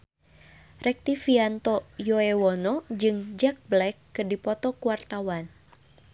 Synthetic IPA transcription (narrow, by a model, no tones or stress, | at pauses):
rɛk̚t̪ifiant̪ɔjɔɛwɔnɔd͡ʒɨŋd͡ʒak̚blɛkːɨrdipɔt̪ɔkuwart̪awan